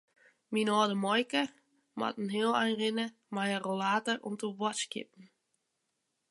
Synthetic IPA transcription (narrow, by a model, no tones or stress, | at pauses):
minɔːdəmɔjkə | ma̰tn̩ɦeːəlˠɛjnrɪnə | majərolaːtərʔɔ̰mtəʋɔskɪ̰p̚n̩